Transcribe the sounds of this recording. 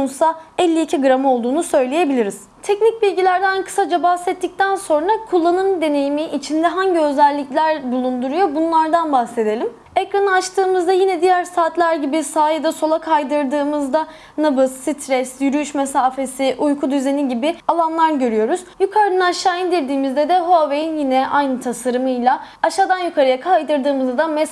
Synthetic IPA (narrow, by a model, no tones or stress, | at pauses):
onsaɛlʲːiːcʰiɡɯɾamo̞lˠd̪uːnusø̞jlʲeje̞bilʲiɾiz̥t̪ʰɛcnic̚bilʲɟilʲæɾd̪ɛankʰɯ̥sad͡ʒabahsɛt̪ʰːic̚t̪ʰænso̞nɾakʰulˠːanɯmd̪e̞ne̞jimiʔːt͡ʃʰind̪ɛɦaɲɟiø̞zælʲːiclʲæɾbulˠund̪uɾujo̞bunlˠaɾd̪anbahse̞d̪e̞lʲim | ekɾanɯat͡ʃt̪ʰɯːmɯzd̪ajinɛd̪ijæɾsaːt̪lʲˠæɾɟibisaːjed̪ɛso̞lˠakʰajd̪ɯɾd̪ɯːmɯzd̪a | nabɯsːit̪ʰɾɛsjyɾyyʃmesaːfe̞siʔujkʰud̪yze̞niɟibɪalˠanlˠaɾɟø̞ɾyjo̞ɾuz̥jukʰaɾɯnɯaʃaːind̪iɾd̪iːmizd̪ɛd̪ɛɦo̞vejinjinɛʔajnɯt̪ʰasaɾɯmɯjlˠaaʃaːd̪anjykʰaɾɯjakʰajd̪ɯɾd̪ɯːmɯzɯd̪amɛ